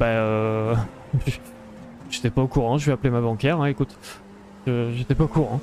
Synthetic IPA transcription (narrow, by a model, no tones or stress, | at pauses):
baø | ʒ | ʒet̪ɛpaokuʁɑ̃ʒəɥɛaplemabɑ̃kʲɛʁɛ̃ekut̪ | ʒəʒet̪ɛpaokuʁɑ̃